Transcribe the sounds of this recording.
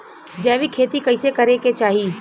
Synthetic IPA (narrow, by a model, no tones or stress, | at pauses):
d͡ʒɛːʋikʰeːt̪ikɐɪsekɐɾeket͡ʃaːɦiː